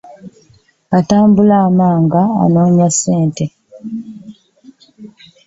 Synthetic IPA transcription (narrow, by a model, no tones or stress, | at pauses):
ataːmbulaːmaːŋɡa̰ːno̞ːɲaseːnte